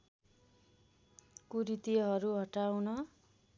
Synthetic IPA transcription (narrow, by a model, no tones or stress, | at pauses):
kuɾit̪iɦʌɾuɦʌʈawnʌ